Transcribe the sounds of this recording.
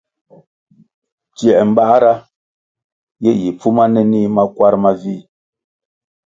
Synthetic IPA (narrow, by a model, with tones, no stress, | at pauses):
tjɛ˨ʔm̩˨ba˦ʔɾa˦ | jɛ˦ji˨pʰu˦ma˦nɛ˦ni˦ma˦kwa˦ɾma˦vi˦˨